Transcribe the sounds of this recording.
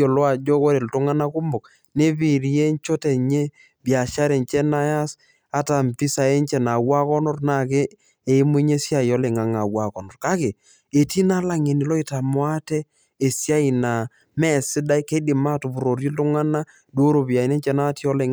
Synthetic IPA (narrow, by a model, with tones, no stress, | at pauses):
ɔ˨lɔ˦a˨d͡ʒɔ˦ko˦ɾe˨ltʊ˦ŋa˦na˦kʊ˦mʊ˨k̚ | ne˦pi˨ɾje˦ɲt͡ʃo˦tɛ˨ɲe˦ | bja˨ʃa˦ɾe˨ɲt͡ʃɛ˦na˦ja˦s | a˦ta˨mpi˦sa˨e˦nt͡ʃɛ˨na˨wa˦kɔ˦nɔ˦rna˦˨kɪ˦ | e˨i˦mʊ˦ɲe˦sja˦˨i˨ɔ˦lɛ˨ŋa˨ŋa˨wa˨kɔ˨nɔ˨rka˦kɪ˨ | e˨ti˦na˦la˨ŋe˨nɪ˨lɔ˦i˦ta˨mwa˦tɛː˦˨ | sja˦i˨na˨ | mɛ˦˨sɪ˦da˦i˦ke˦dɪ˨ma˦tu˨pu˨ɾo˨ɾi˦ltʊ˦ŋa˦na˦ | do˦ɾo˨pi˨a˨i˨ne˦ɲt͡ʃɛ˦na˦ti˦ɔ˦lɛ˨